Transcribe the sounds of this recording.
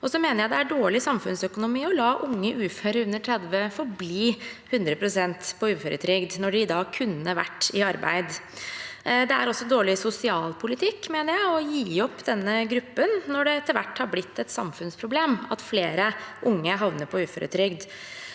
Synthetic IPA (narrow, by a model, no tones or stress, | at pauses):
ɔsɔmeːnəɾjæɪd̪ɛæɖoːɭɪsɑmfʉnsœkʊnʊmiːɔlɑːʔʊŋːəʔʉːføːɾəʉnəʈ̪ʰɾɛd̪ʋəfɔɾbliːhʉnd̪ɾəpʰɾʊsɛnt̪pʰɔʉːføɾʔə̰t̪ʰɾʏɡd̪nɔɖɪd̪ɑːkʰʉnːəʋæ̰ʈːɪɑɾbæ̰ɪd̪ | d̪ɛæ̰ɾɔsːɔd̪oːɭɪsʊsɪɑːlpʰʊlɪt̪ʰɪkːmeːnəɾjæɪɔjiːɔpːd̪ɛnːəɡɾʉpːənːɔɖɛɛt̪ːəɾʋæʈːhɑɾblɪt̪ʰːɛt̪sɑ̰mfʉnspʰɾʊbleːmɑ̰t̪fleːɾəʔʊŋːəɦɑʋnəpʰɔʉːfø̰ːɾʔə̰t̪ʰɾʏɡd̪